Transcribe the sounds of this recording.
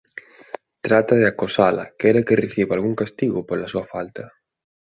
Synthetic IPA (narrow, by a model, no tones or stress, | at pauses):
t̪ɾat̪aðɪakosala̰kɛɾakɪreθiβalɣuŋkast̪iɣʊpolasuɐfalt̪ɐ